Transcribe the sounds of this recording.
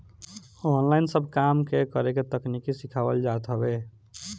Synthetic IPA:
ɔnlainsəbʱkamkekəɾeket̪əknikisikʰabə̰ld͡ʒat̪ɦəbe

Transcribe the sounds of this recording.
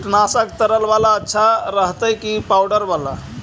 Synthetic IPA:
ʈnasəkt̪əɾəlʋalaətːʃʰaɾəɦt̪əjkipawɖəɾʋala̰

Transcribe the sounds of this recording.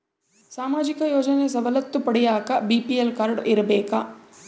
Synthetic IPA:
saːmaːd͡ʒikɐjoːd͡ʒɐnes̬ɐʋɐlɐt̪ːupɐɽɛjaːkɐbipielkaɾɖiɾɐbɛːkɐ

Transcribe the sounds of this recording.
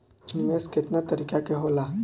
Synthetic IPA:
nmeskɪt̪nat̪əɾiːkakeɦola

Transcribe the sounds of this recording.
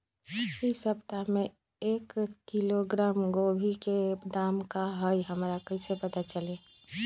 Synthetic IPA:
isəpt̪amẽ | eːkːiloɡɾaːmɡoːbʱiked̪aːmkaɦəjɦəmɾakəĩsepət̪at͡ʃəleː

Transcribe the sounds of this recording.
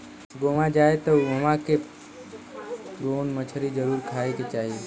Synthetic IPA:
ɡoːʋãd͡ʒaːet̪ɐuɐʋãke | ɡoːnmət͡ʃʰəɾid͡ʒəɾuːɾkʰaːeket͡ʃaːɦie

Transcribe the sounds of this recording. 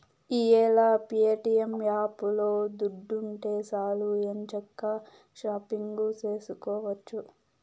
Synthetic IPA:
iːɛːlapijeʈijemjaːpulo̞ːd̪uɖːuɳʈeːsaːluent͡ʃɔkːɐ | ʃaːpiŋɡut͡ʃe̞ːsukɔːʋɐt͡ʃːu

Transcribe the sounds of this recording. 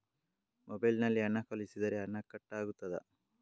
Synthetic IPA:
mobɐjlnɐlːiɐnːɐkɐlisid̪ɐɾeɐnːɐkːɐʈːaːɡut̪ːɐd̪ɐ̰

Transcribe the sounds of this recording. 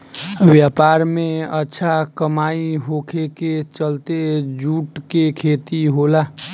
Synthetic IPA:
ʋjapaɾmeətːʃʰakəmaiɦokʰeket͡ʃəlt̪ed͡ʒuʈkekʰet̪iɦola

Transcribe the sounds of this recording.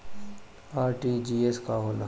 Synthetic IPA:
aːɾʈid͡ʒieskaɦoːna

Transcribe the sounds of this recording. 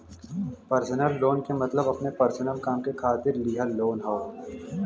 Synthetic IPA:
pɐɾsənəlːoːnkemɐt̪ləbɐpnepɐɾsənəlkaːmkekʰaːt̪ɪɾliɦaloːnɦaː

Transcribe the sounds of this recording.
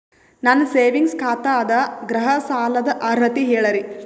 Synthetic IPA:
nɐnːseːʋiŋɡskʰaːt̪aːd̪ɐɡɾɐɦɐsaːlɐd̪ɐʔɐɾɐt̪iɦeːɭɐɾi

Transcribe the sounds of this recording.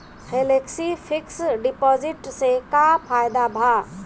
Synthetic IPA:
hʰeleksipʰiksɖipɔd͡ʒiʈsekapʰajd̪abʱa

